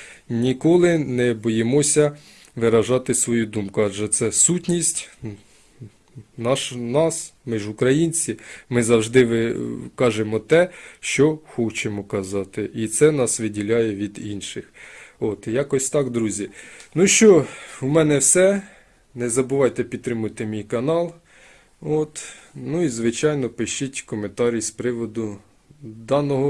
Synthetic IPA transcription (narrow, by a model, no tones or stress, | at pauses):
nʲikɔlˠɪnɛbɔjemɔsʲɐ | ʋɪɾɐʒɑt̪ɪsʋɔjud̪umkʊɑʒɛt̪sɛsutʲnʲisʲtʲ | nɑʃnɑsmɪʒʊkɾɐjinʲt͡sʲimɪzɐwʒd̪ɪʋkɑʒemɔt̪ɛʃt͡ʃɔxɔt͡ʃemɔkɐzɑt̪ɪʔit̪sɛnɑsʋɪdʲilʲɑjɛʋʲid̪inʃɪxot̪jɑkɔsʲt̪ɑkd̪ɾuzʲinuʃt͡ʃɔumɛnɛwsɛ | nɛzɐbʊʋɑjt̪ɛpʲid̪̚t̪ːɾɪmʊjt̪ɪmʲijkɐnɑlˠ | ot̪nuizʋɪt͡ʃɑjnɔpɪʃt͡ʃitʲkɔment̪ɑɾʲispɾɪʋɔd̪ʊ | d̪ɑnɔɦɔ